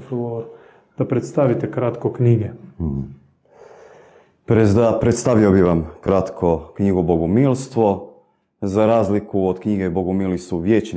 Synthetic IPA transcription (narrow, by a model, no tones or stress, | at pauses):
floɾ | d̪̥apɾet̪st̪aʋit̪ekɾat̪kokɲiɡe | pɾezd̪apɾet̪st̪aʋiobiʋamkɾat̪kʰokɲiɡuboɡumilˠst̪ʋo̞ | zaɾaːzlikuod̪kɲiɡeboɡumilisuʋjeːt͡ʃ